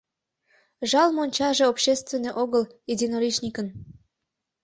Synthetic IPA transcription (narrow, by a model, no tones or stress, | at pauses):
ʒɑlmonʲt͡ɕɑʒeopɕest̪vʲenːojʔoɣəlid̪ʲinoɾiʃnʲikən